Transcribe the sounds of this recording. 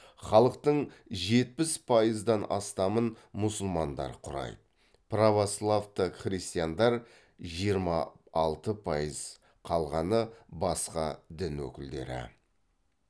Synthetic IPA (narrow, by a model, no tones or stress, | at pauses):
χɑlˠəq̚t̪əɴ | ʒe̞t̪̚pɪspʰɑjəzd̪ɑnɑ̰st̪ɑmən | mʊsʊlˠmɑnd̪ɑ̰ɾqʰʊɾɑ̰j̪ | pravoslˠavt̪əχrist̪ijand̪ɑɾ | ʒijəɾmɑ̰ːlˠt̪əpʰɑjəz | qʰɑlˠʁɑnəbɑsqɑd̪ɪnwɵ̰kʲɪld̪e̞̰ɾɪ̰